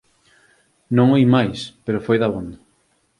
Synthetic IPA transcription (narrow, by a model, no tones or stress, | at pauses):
nõŋejmajspeɾofojðɐβond̪a